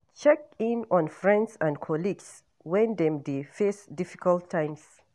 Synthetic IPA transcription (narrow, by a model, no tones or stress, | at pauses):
t͡ʃɛkĩnɔ̃nfɹɛ̃ndsãndkʰɔliɡs | wɛ̃nd̪ɛ̃mdefɛsdifi̥kaltʰːãj̃ms